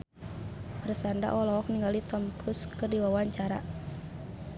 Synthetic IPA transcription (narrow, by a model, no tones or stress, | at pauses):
pərsanda̰ʔɔlɔɦɔk̚niŋɡalit̪ɔmkɾuskɨrdiwawaɲt͡ʃaɾa̰